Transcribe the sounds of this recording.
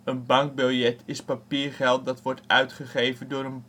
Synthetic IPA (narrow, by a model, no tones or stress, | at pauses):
ənbɑŋk̚bɪlˠjɛtʰɪspapiːɹχɛlˠt̚dɑtʋɔɹtœɥtχəχejvəndʊːɾən